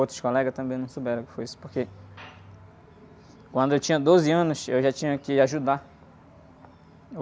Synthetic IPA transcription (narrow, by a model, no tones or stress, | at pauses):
owt̪ɾʊskolɛɡɐt̪ɐ̃mbẽj̃nɐ̃w̃sobɛɾɐ̃kɪ̥foisʊ̥poɾke | kwɐ̃nd̪ʊewt͡ʃĩɲ̃ɐd̪ozɪɐ̃nʊsewʒat͡ʃĩɲɐkɪaʒud̪a